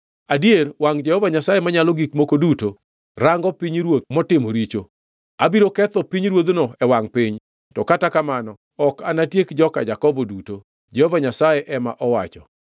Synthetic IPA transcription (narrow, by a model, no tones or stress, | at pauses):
adierwaŋd͡ʒɛhɔvaɲasajemaɲalɔɡikmokoduto | ɾaŋɡɔpiɲɾwot̪mɔtɪmɔɾit͡ʃo | abiɾokɛt̪ɔpiɲɾwod̪nɔɛwaŋpɪɲ | tɔkatakamanɔ | ɔkanatjekd͡ʒɔka̰d͡ʒakɔbɔduto | d͡ʒɛhɔvaɲasajeʔɛma̰ʔɔwa̰t͡ʃɔ